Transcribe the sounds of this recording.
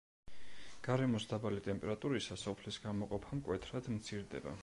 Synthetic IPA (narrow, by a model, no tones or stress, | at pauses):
ɡ̥aɾɛmɔsd̪abalit̪ʼɛmpʼɛɾat̪ʼuɾisasɔpʰlisɡamɔqʼɔpʰamkʼwɛt̪ʰɾad̪̥mt̪sʰiɾd̪ɛ̰ba̰